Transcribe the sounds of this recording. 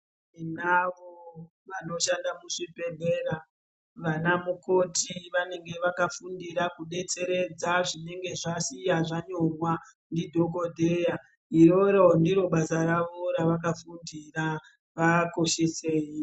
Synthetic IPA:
inaʋo | ʋano̞ʃandamuʂipe̞bʱera | ʋanamuko̞tiʋane̞ŋɡe̞ʋakafundiɾakuɗe̞t͡se̞ɾe̞d͡zaʐine̞ŋɡe̞ʐasijaʐaɲo̞rwa | ndidʱo̞k̬odʱeja | iɾo̞ɾondiɾo̞ɓasaɾaʋo̞ɾaʋak̬afundira | ʋako̞ʃese̞ːji

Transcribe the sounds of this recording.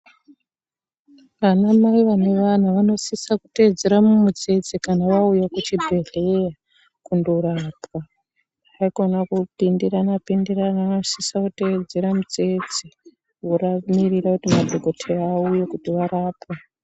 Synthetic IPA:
ʋanamaiʋane̞ʋan̤aʋano̞sisaku̥ted͡ze̞ɾamumud͡ze̞d͡zikanaʋaujakut͡ʃibʱereja | kundourapa | aiɡʱonakupindiranapindiranaanosisakuted͡ze̞ɾamud͡ze̞d͡zi | woɾamirirakutimadʱoɡʱo̞tʰerːujekutiʋaɾaːpa

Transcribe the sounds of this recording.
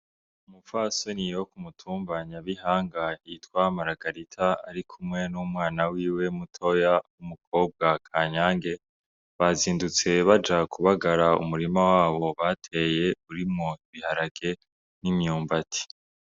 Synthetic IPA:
umufasonijo̞kumutʰuːmbaɲaβihaːŋɡaiitwamaɾaɡaɾitʰaa̰ɾikʰumŋe̞numŋaːnawiːwe̞mutʰo̞jawumuk̚ʰo̞ːb̚ɡakʰaːɲaːŋɡe̞ | βaziːndut͡se̞βad͡ʒakuβaɡaɾaṵmuɾimawaːβo̞βatʰe̞je̞uɾimŋoiβihaɾaɡ̥e̞ | nimɲuːmbatʰi̥

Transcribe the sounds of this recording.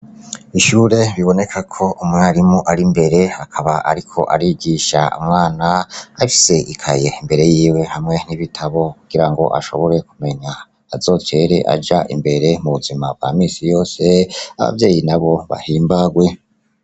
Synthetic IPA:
iʃuːɾe̞βiβo̞ne̞kʰakʰo̞ʔumŋeaɾimuʔaɾimbe̞ɾe̞akʰaβaʔaɾikʰo̞̰ʔa̰ɾiɡiʃa̰ṵmŋaːnaaifi̥se̞ʔikʰaje̞imbe̞ɾe̞jiːwe̞hamŋe̞niβitʰaβo̞kuɡ̥iɾaŋɡo̞̰ʔa̰ʃo̞̰βo̞ɾe̞kume̞ɲaː | zo̞ːt͡ʃe̞ɾe̞̰ʔa̰d͡ʒaʔḭmbe̞ɾe̞muβuzimab̚ɡwa̰ːmiːsijo̞ːse̞aβa̰vje̞ːjinaβo̞βa̰hiːmbaɡwe̞

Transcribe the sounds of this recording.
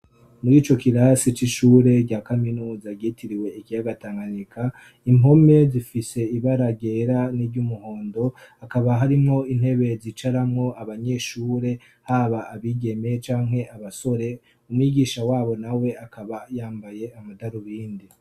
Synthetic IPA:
muɾiːt͡ʃo̞kiɾasit͡ʃiʃuːɾe̞ɾɟaːkaminuːzaɟitiɾiwe̞ikijaɡataːŋɡanikʰa | imo̞me̞zifise̞iβaɾaɡe̞ɾaniɾɟumuho̞ːndo̞akaβaɦaɾimŋo̞in̥he̞βe̞zit͡ʃaɾamŋo̞aβaɲe̞ʃuːɾe̞ | haβaʔaβiɡe̞me̞t͡ʃaːŋɦe̞ʔaβaso̞ɾe̞ | umŋiɡiːʃawaːβo̞nawe̞akʰaβajaːmbaje̞amadaɾuβiːndi

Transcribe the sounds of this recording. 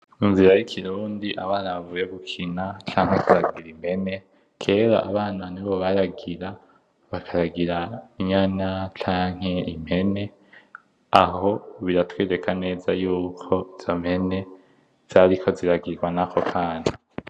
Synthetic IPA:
minziɾajikʰiɾuːndiʔaβaːnaβavuːjeɡukʰinat͡ʃaːŋ̥hekuɾaɡiɾim̥he̞ne̞ | kʰe̞ːɾo̰ʔaβaːnaniβo̞βaɾaɡiɾa | βakʰaɾaɡiɾaiɲaɲat͡ʃaːŋ̥he̞im̥he̞ne̞ | aɦo̞βiɾatwiːɾe̞kʰane̞ːzajuːkʰo̞z̥om̥he̞ne̞ | z̥aɾikʰo̞ziɾaɡiɾɡwanakʰo̞kʰaːna

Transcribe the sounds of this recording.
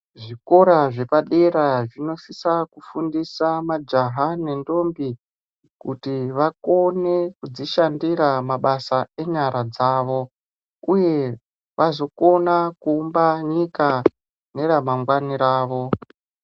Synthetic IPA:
ʐiko̞ɾaʐe̞paɗeɾaʐino̞sisakufundisamad͡ʒaɦane̞ndo̞mbi | kutiʋako̞ne̞kud͡ziʃandiɾamaɓasae̞ɲaɾad͡zaːʋo̞ | uje̞ | ʋʔazo̞ko̞nakuːmbaɲika | ne̞ɾamaŋɡwaniɾaːʋo̞

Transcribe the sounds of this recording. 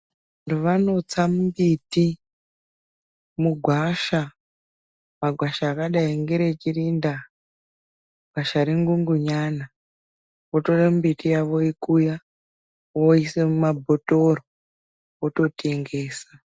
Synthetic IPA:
antuʋano̞t͡samumbiti | muɡʱwaʃa | maɡʱwaʃaːkaɗaiŋɡeɾet͡ʃirinda | ɡʱaʃaɾiŋɡuŋɡuɲana | woto̞ɗamumbitijaʋo̞ikuja | woisemumabʱotoro | oto̞tʰe̞ŋɡe̞ːsa

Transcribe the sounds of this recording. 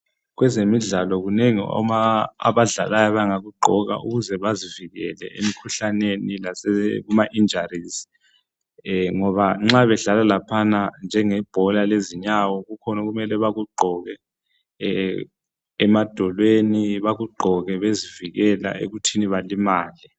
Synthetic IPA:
ɣwɛzemiɮalɔɣuneŋḭɔ̰maa̰βaɮalajɔβaŋaɣuɡ͡ǃʱɔɣa̰ṵɣuzɛβaziviɣɛlɛ̰ḛmikʰuɬanenilasɛɣumaʔind͡ʒʱariːsi̥ | ŋɔβaŋ͡ǁaβɛɮalalapʰanand͡ʒʱɛŋɛb̥ʱɔlaleziɲawɔɣukʰɔnɔɣumɛlɛβaɣuɡ͡ǃʱɔɣɛ | mad̥ʱɔlweniβaɣuɡ͡ǃʱɔɣɛβeziviɣɛla̰ḛɣutʰiniβalimaːli

